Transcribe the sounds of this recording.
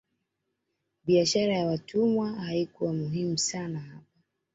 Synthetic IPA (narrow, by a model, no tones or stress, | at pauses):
ɓiaʃaɾajawatumwahaikuwamuɦimusanahapa